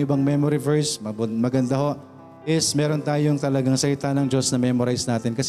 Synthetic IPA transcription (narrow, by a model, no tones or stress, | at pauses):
ʔɪbɐŋmɛmoɾɪvɛɹsmɐmɐɡɐnd̪ɐho̞ʔ | ʔɪsmɛːɾo̞nt̪aːjoŋt̪ɐlɐɡaŋsɐlɪt̪anɐŋd͡ʒo̞snɐmɛmoɾajsnaːt̪ɪnkɐs